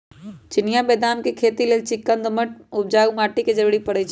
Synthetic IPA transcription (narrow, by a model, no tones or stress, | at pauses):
t͡ʃɪnɪjabɛːd̪aːnkekʰeːt̪ileːlt͡ʃɪkːənd̪əməʈ̚ʊp̚d͡ʒaːɡmaːʈiked͡ʒəɾuːɽipəɽət͡ʃʰ